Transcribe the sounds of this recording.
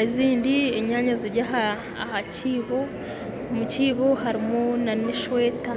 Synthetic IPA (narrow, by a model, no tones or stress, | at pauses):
aiziːndieɲaːɲaziɾɟaɦa | haciːβo | muciːβohaɾimonaneʃweta